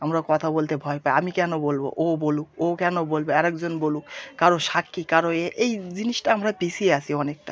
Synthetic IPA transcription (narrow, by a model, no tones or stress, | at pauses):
amɾakɔt̪ʰabolt̪ebʱɔepaeamikɛnobolbo̰ʔoboluokɛnobolbeɛɾɛkd͡ʑonbolukaɾoʃakːikaɾoeʔejd͡ʑiniʃʈaamɾapisʰieasʰiɔnek̚ʈa̰